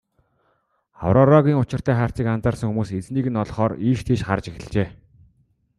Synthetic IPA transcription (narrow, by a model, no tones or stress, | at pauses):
a̰wɾɔɾaɣʲiːŋʊt͡ɕɪ̆r̥t̪ʰæːχaːr̥t͡siːkant͡saːrsə̆ŋxumuːset͡sniːɣɘ̆nɔɮχɔːriːʃt̪ʰeːʃχart͡ɕexɘ̆ɮt͡ɕeː